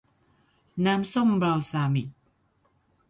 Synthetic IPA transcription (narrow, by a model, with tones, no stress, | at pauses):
naː˦˥mso˥˩˨mbɾaː˧wsaː˧mi˨˩t̚